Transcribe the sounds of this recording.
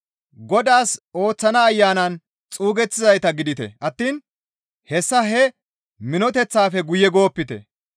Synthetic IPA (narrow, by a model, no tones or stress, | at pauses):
ɡɔd̪aːso̞ːt͡sːɐnɐːjːaːnɐn | t͡sʼuːɡɛt͡sːɪzɐjt̪ɐɡɪd̪ɪt̪ɛ̰ʔɐt̪ːiːn | hɛsːɐɦɛ | mɪnɔt̪ɛt͡sːaːfɛɡʊjɛɡo̞ːpːɪt̪ɛ̰